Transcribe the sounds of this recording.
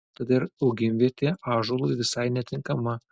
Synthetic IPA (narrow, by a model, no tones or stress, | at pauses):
t̪ɐd̪ɪɾɐʊɡʲɪmʲʋʲiɛt̪ʲeɑːʒolˠʊjʋʲɪsɐɪnʲɛt̪ʲɪŋkɐmɐ